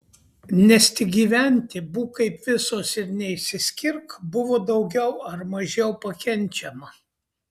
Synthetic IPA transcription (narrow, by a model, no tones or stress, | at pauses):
nʲɛsʲt̪ʲɪɡʲiːʋʲænʲt̪ʲɪbuːkɐɪpʋʲɪsoːsɪɾnʲɛɪʃʲsʲɪsʲkʲɪɾkbʊʋoːd̪ɒʊɡʲɛʊɐɾmɐʒʲɛʊpɐkʲɛnʲˑt͡ʃʲɛmɐ